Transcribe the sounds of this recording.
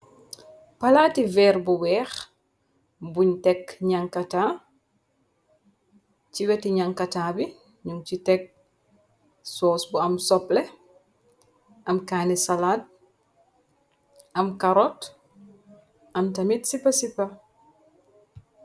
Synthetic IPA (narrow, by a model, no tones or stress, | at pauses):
pɐlativɛːɾbuwɛːx | buɲtɛkɲaŋkataː | ciwɛtiɲaŋkɐtaːbi | ɲuŋt͡ʃitɛk̚ | sɔːsbuɐmsɔple | ʔɐmkaːnisalaːt̚ | ʔɐmkaɾɔt | ʔɐmtɐmitsipɐsipɐ